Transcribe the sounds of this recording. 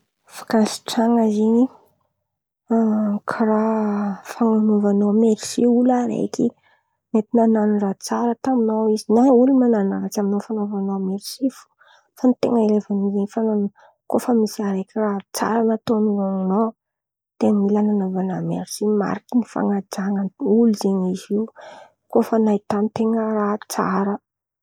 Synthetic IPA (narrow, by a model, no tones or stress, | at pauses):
fḁkansi̥ʈ͡ʂaŋəzini | kʰarafaŋanovanomeɾisiulaɾḛjki | met̪inananurat͡saɾət̪aminowizinaulimananaɾaʈ͡ʂaminofanovanomeɾisifu̥ | fanit̪ḛŋəelevanizeɲfan | kofəmisiaɾekʲirat͡sa̰ɾənat̪omioŋno | t̪eŋəmilananovanameɾisima̰ɾikinifa̰ŋad͡ʒaŋənuluzeɲiziw | kofənait̪anit̪eŋərat͡sa̰ɾə